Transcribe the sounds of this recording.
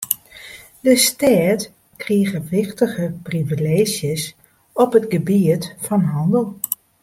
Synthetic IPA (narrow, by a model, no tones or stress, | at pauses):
dəstɛːt | kriəɣəʋɪxtəɣəprivileːʒjəs | ɔpɦətɡəbiətfɔnɦɑndəlˠ